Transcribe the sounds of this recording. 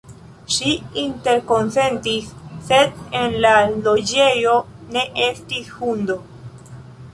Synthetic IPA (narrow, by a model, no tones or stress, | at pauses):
ʃiinte̞ɾko̞nse̞ntisːe̞denlalo̞d͡ʒe̞jo̞ | ne̞ʔe̞stishundo̞